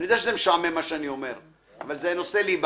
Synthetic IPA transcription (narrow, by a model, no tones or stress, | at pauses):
nid̪eaʃezemeʃaʕmemaʃeanio̞me̞ʁ | avalzeno̞selib